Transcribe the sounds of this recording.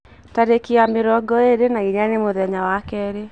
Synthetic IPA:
taɾekiameɾɔɡɔeɾenaiɲanemoðɛɲawakɛɾe

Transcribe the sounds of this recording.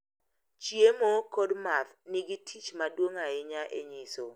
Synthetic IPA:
t͡ʃjemokodmatnɪɡitʰit͡ʃmadwoŋaɪɲaʔḛɲɪso

